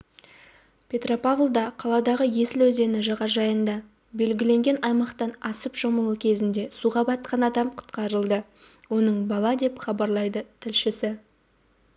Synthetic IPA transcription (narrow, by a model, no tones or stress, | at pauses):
pʲʰe̞t̪ro̞pavlˠd̪ɑqʰɑlˠɑd̪ɑʁəje̞sɪlwɵze̞nɪʒɑʁɑʒɑjənd̪ɑ | be̞lɡʲɪle̞ŋɡʲe̞nɑjmɑqt̪ɑnɑsəpʒ̥oməlˠukʲʰe̞zɪnd̪e̞suʁɑbɑt̪̚qʰɑnɑd̪ɑmqʰʊ̥t̪qɑɾəlˠd̪ə | wo̞nəɴbɑlˠɑd̪e̞pχɑbɑɾlˠɑjd̪ət̪ʰɪlʃɪsɪ